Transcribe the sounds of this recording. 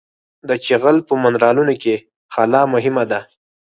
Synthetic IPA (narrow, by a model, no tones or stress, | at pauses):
d̪ət͡ʃeɣəlpəmanɾɑlunoke | xalɑmʊɦɪmad̪a